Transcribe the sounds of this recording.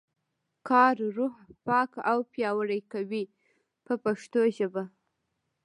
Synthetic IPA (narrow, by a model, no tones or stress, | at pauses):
kɑɾɾuhpɑkawpjɑwəɾajkawi | pəpaʂt̪oʒəba